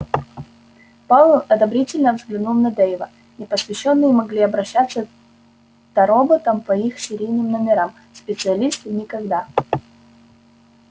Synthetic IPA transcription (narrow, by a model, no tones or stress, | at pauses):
palˠəʔɐd̪ɐbɾʲitʲɪlʲnəvzɡlʲɪnulˠnɐd̪ejɪvə | nʲɪpəsvʲɪɕːo̞nːɨjəmɐɡlʲiɐbɾɐɕːat̪sːə | t̪ɐɾobət̪əmpɐixsʲɪɾʲijnʲɪmnəmʲɪɾam | spʲɪt̪sɨɐlʲist̪ɨnʲɪkɐɡd̪a